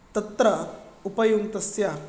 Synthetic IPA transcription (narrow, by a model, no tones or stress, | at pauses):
t̪ɐt̪ɾɐupɐjunt̪ɐsja